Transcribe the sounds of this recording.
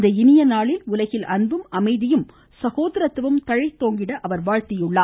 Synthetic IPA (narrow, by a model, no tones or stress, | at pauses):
d̪ɐɪnɪjɐnaːɭɪlʊlɐɣɪlʔɐnbɯmɐmɐɪðɪjɯm | sɐɣoːðɐɾɐt̪ːɯʋɯmt̪ɐɻɐɪt̪ːoːŋɡɪɽɐʔɐʋɐɾʋaːɻt̪ɪjʊɭːaː